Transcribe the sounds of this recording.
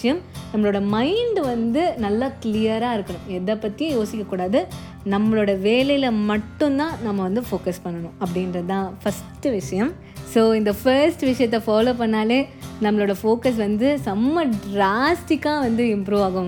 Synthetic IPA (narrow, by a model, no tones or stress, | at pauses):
ɐjɐmnɐmːɐɭoːɽɐmɐɪɳɖʋɐnd̪ɯnɐlːakɪlɪjɐɾaːɪɾɯkːɐɳʊ̃ɛðɐpːɐt̪ːɪjʊ̃joːsɪkʲːɐkːuːɽaːðɯ | nɐmːɐɭoːɽɐʋeːlɐjɪlɐmɐʈːɯ̃nt̪ãːnɐmːɐʋɐnd̪ɯfoːkɐspɐɳːɐɳʊ̃ɐp̬ːɐɽɪnɾɐt̪ãːfɐsʈːɯʋɪʂɐjɐm | soːɪnd̪ɐfɐɾsʈɯʋɪʂɐjɐt̪ːɛfaːloːpɐɳːaːleːnɐmːɐɭoːɽɐfoːkɐs̬ʋɐnd̪ɯsɐmːɐɖɾaːsʈɪkːaːʋɐnd̪ɯɪmpɾuːʋaːɣɐ̃